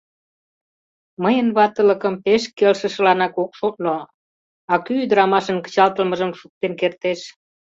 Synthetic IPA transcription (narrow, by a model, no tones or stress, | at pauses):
məjənβɑt̪ələ̆kə̆mpeʃkelʃə̆ʃə̆lɑnɑkokʃot̪̚lo | ɑkyːd̪əɾɑmɑʃə̆nkə̥t͡ɕɑlt̪ə̆lmə̆ʒəmʃuk̚t̪enkert̪eʃ